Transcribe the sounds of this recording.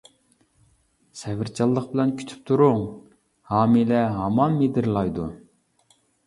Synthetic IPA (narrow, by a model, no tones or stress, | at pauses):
sɛvɪɾt͡ʃʰɑlˠːəqbɪlɛnkʲʰy̥t̪ʰy̥p̚t̪ʰuɾʊŋ | hɑːmilɛɦɑmɑnmed̪ɪɾlˠɑjd̪ṵ